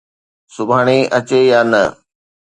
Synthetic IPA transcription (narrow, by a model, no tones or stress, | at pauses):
sʊbʱaːɽ̃eʔɐt͡ɕeːjaːnɐ